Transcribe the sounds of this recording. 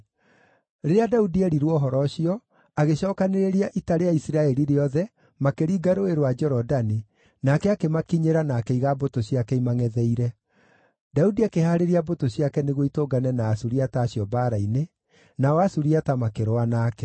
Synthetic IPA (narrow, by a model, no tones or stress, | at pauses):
ɾeɾeadaudiɛɾiɾwɔɦɔɾɔɕiɔ | aɣeɕɔːkaneɾeɾeaʔitaɾeaisiɾaɛɾiɾeɔðɛ | makeɾiːɡaɾoeɾowad͡ʒɛɾɔdani | nakɛakemakiɲeɾanaːkɛiɣabotoɕiakɛimaŋɛðɛiɾɛ | daudiakehaːɾeɾiabotoɕijakɛneɣwoitoɡanɛnaːsuɾiataːɕiɔbaːɾaine | naɔasuɾiatamakeɾoanaːkɛ